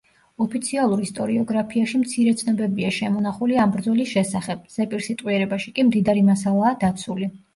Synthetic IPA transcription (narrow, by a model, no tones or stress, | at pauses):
ɔpʰit̪sʰialˠuɾist̪ʼɔɾiɔɡɾapʰiaʃimt̪sʰiɾɛt̪sʰnɔbɛbiaʃɛmɔnaχuliambɾd̪zɔlisʃɛsaχɛb̥̚z̥ɛpʼiɾsit̪ʼwiɛɾɛbaʃikʼimd̪id̪aɾimasalˠaːd̪at̪sʰuli